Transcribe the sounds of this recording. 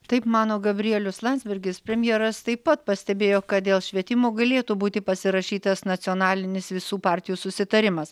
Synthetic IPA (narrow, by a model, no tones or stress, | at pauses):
t̪ɐɪpmɑːnoːɡɐbʲɾʲɪjɛlʲʊslˠɑnʲzbʲɪɾʲɡʲɪspʲɾʲɛmʲjeːɾɐst̪ɐɪppɐt̪pɐsʲt̪ʲɛbʲeːjoːkɐt̪̚d̪ʲeːlˠʃʲʋʲiɛt̪ʲɪmoːɡɐlʲeːt̪uːbuːt̪ʲɪpɐsʲɪɾɐʃʲiːt̪ɐsnɐt̪t͡s̪sʲɪoːnɑːlʲɪnʲɪsʋʲɪsuːpɑːɾʲt̪ʲɪjuːsʊsʲɪt̪ɐɾʲɪmɐs